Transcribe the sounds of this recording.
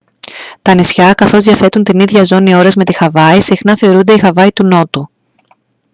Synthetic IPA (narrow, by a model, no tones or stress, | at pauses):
t̪ɐnisçɐkɐθo̞zðiɐθe̞t̪unt̪iniðʝɐzo̞nio̞ɾɐzme̞t̪ixɐvɐisixnɐθe̞o̞ɾund̪eixɐvɐit̪uno̞t̪u